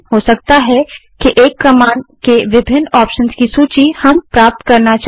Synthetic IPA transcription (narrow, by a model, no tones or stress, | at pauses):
ɦosɐkt̪aɦɛkeʔeːkːɐmaːnɖkeʋɪbʱɪnːɔːpʃənskisuːt͡ʃihɐmpɾaːp̚t̪kɐɾnat͡ʃ